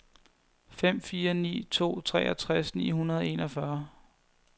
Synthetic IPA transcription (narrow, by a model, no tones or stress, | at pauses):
fem̰fiːɐnḭːt͡sʰo̝̰ːt͡sʰʁɛ̰ːɒt͡sʰʁasnḭːɦunɐð̞ˠe̝nʔɒ̽fɶɐ